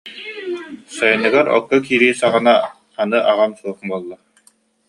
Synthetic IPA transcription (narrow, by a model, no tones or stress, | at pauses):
sajɯnɯɡaɾɔ̰kːɔkiːɾiːsaʁɯna | anɯʔaʁamsuɔχbuːlˠːa